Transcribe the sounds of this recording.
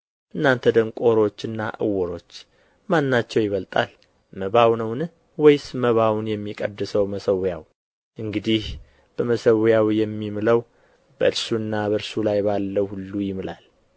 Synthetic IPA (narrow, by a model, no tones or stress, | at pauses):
ʔɨnːant̪ʰəd̪əŋkʼo̞ɾo̞t͡ʃːɨnːaʔɨ̰wːɔɾo̞t͡ʃː | manːat͡ʃːɛwjɪβəlt̪ʼa̰l | məβawnəwnɨ | wɔjsməβawnjɛmːikʼəd̪ːɨsəwməsəwjaw | ʔɨŋɡɨd̪ih | b̥əməsəwjawjɛmːimɨləw | bəɨɾsuɨnːabəɾsulajbalːəwhulːujɪmɨlal